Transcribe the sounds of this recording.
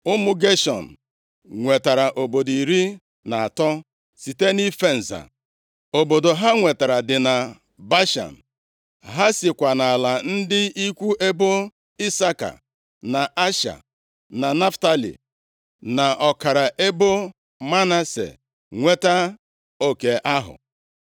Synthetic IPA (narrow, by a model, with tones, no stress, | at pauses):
ʊ˦mʊ˦ɡe˦ʃɔ̰˨n̩˨ | ŋʷe˨ta˨ɾa˨ʔo˨bo˨di˨ɾi˦ | na˨a˨tɔ˦ | si˨te˦ni˦fe˦n̩˨za̰˨ | o˨bo˨do˨ɦa˦ŋʷe˨ta˨ɾa˨dɪ˨na˨ | ba˦ʃa̰˨n̩˨ | ɦa˦sɪ˨kʷa˨na˨a˨la˨n̩˦dɪ˦i˦kʷu˦e˦bo˦ | i˦sa˦ka̰˨ | na˨ʔa˦ʃa̰˨ | na˨na˦fta˦lḭ˨ | na˨ʔɔ˨ka˨ɾa˨ʔe˦bo˦ | ma˦na˦sḛ˨ | ŋʷe˦ta˦ | o˦ke˨ʔa˦ɦʊ̰˨